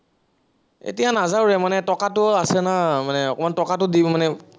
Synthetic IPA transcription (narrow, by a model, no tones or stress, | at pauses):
ḛtijanazawɹɛmanɛtɔkatʊasɛnamanɛɔkɔmantɔkatʊdimanɛ